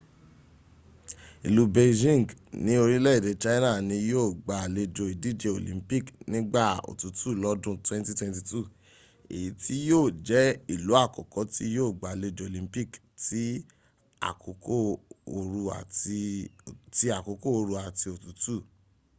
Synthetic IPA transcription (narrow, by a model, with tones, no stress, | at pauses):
i˨lu˨˦be˧d͡ʒĩ˦˨ŋ˨ɡnĩ˦o˧ɾĩ˦lɛ˦i˦˨de˨˦t͡ʃa˦i˦nã˦˨nĩ˧joː˦˨ɡ͡ba˨le˧d͡ʒo˧i˨di˦˨d͡ʒe˧o˨lḭ̃˨˦pi˦˨knĩ˦ɡ͡ba˦˨o̰˨tu˨˦tu˦˨lɔ˧˦dũ˦twɛ̃˦nti˦twɛ̃˧nti˧tu˦˨ | ḛ˨ji˨˦ti˦joː˦˨d͡ʒɛ˨˦i˦˨lu˨˦a˦˨kɔ˨kɔ˨˦ti˦joː˦˨ɡ͡ba˨le˧d͡ʒo˧o˨lĩ˨˦mpi˦˨k | ti˨˦ | a̰˨ko˨ko˦o˧ɾu˧a̰˨˧ | ti˦a˨ko˨˧ko˦o˧ɾu˧a˨ti˧o˨tu˨˦tu˦˨